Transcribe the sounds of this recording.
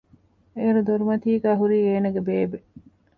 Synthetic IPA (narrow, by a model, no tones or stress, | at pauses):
eɾud̪oɾumɐt̪iːɡæːɦuɾiːeːnɐɡebeːbe